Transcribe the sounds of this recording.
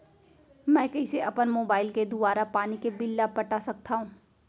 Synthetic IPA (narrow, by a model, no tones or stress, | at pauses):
mɛ̃ːkɐɪseʔɐpənmoːbaːɪlked̪ʊbaːɾapaːnikebɪlːapɐʈasɐk̚t̪aɦũː